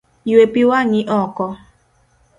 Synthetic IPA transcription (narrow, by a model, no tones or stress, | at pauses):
iwepiwaɲiʔɔkɔ